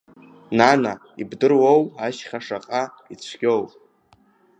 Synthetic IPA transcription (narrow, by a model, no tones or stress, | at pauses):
nanaḭbdɨrwowaʃχaʂaqʼa | it͡ɕʷʰɡʲo̞wʼ